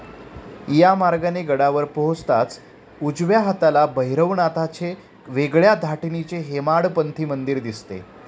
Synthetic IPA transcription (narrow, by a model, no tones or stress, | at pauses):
jamaɾɡaneɡəɽaʋəɾpoɦot͡st̪at͡s | ud͡zʋjaɦat̪alabəɦiɾəʋɳat̪at͡ɕe | ʋeɡɭjad̪ʱaʈnit͡ɕeɦemaɽpənt̪ʰiːmənd̪iɾd̪ist̪ḛ